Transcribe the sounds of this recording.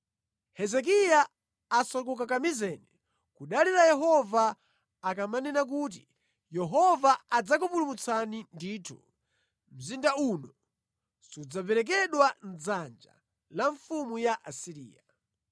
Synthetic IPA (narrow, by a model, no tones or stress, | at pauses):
hɛzɛk̬ijaː | sak̬uk̬akamizɛːnɛ | kuɗaliɾajɛɦɔvaː | kamanɛnak̬uːt̬ḭ | jɛɦɔvaad͡zak̬upulumut͡sanindiːtʰṵ | m̩zindaunɔ | sud͡zapɛɾɛk̬ɛɗwan̩d͡zand͡ʒa̰ | laɱfumujaʔasiɾḭːja